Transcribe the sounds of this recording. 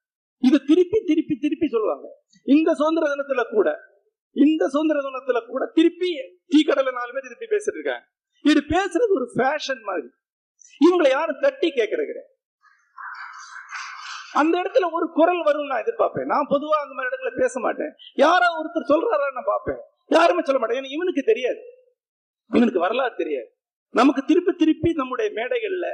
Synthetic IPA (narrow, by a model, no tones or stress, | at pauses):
ɪðɯt̪ɪɾɯpːit̪ɪɾɯpːit̪ɪɾɯpːisɔlːʋa̰ːŋɡɐ | ɪnd̪ɐsoːnd̪ɐɾɐðʊnɐt̪ːɪlɐkuːɽɐ | ɪnd̪ɐsoːnd̪ɪɾɐðʊnɐt̪ːɪlɐkuːɽɐt̪ɪɾɯpːi | t̪iːkːɐɽɐlɐnaːlmeːt̪ɪɾɯpːipeːsɪʈːɾɯkːã̰ːŋɡɐ | ɪðɯpeːsɯɾɐðɯɔɾɯfaːʂɐnmaːðɾi | ɪʋɐŋɡɐɭɐjaːɾɯ̃t̪ɐʈːikeːʈkːɐɾɐɣɪɾḛ̃ː | ɐnd̪ɐɛɽɐt̪ːɯlɐɔɾɯkʊɾɐlʋɐɾɯmnãːɪðɯɾpaːɾpḛ̃ːnãːpɔðɯʋaːɐŋɡɐmɐɪɽɐt̪ːɪlɐpeːsɐma̰ːʈːḛ̃ːjaːɾaːɔɾɯt̪ːɯɾsɔlraːɾaːnãːpaːɾpḛ̃ː | jaːɾɯmeːsɔlːɐmaːʈɐ̃eːnːaːɪʋɐnɯkːɯt̪ɛɾɪjaːðɯ | ɪʋɐnɯkːɯʋɐɾɐlaːɾt̪ɛɾɪja̰ːðɯ | nɐmɐkːɯt̪ɪɾɯpːit̪ːɪɾɯpːinɐmːɯɽɐjɐmeːɽɐɪɣɐɭɪlːɐ